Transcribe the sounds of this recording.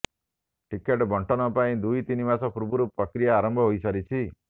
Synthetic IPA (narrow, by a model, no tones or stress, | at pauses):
ʈikeʈbʱɔɳʈʰɔnɔpaĩd̪ujt̪inimasɔpuɾbuɾupɾɔkɾijaːɾɔmbʱɔɦojsɔɾit͡ʃʰi